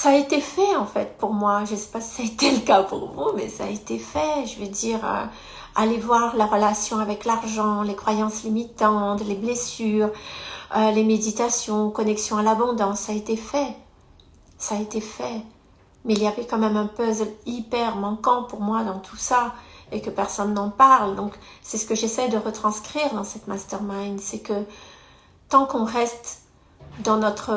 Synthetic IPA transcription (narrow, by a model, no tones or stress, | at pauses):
saːet̪efɛɑ̃fɛt̪puʁmwaʒəsɛ̥pasi̥saet̪ɛləkapṵʁvumɛ̰sa̰et̪efɛʒəved̪iʁø̰ | alevwaʁlaʁəlasjɔ̃avɛklaʁʒɑ̃lekχwajɑ̃slimit̪ɑ̃t̪leblesyːʁølemed̪it̪asjɔ̃kɔnɛksjɔ̃alabɔ̃d̪ɑ̃sːaːet̪efɛ | saːet̪efɛ | mɛilijavɛkɑ̃mɛmɛ̃pœzlipɛʁmɑ̃kɑ̃puʁmwad̪ɑ̃t̪ʰu̥saekəpɛʁsɔnːɑ̃paʁld̪ɔ̃ksɛsə̥kəʒesɛjd̪əʁət̪χɑ̃skχiʁd̪ɑ̃sɛt̪mast̪ɛʁmajnsɛkə | t̪ɑ̃kɔ̃ʁɛst̪ | d̪ɑ̃nɔt̪χə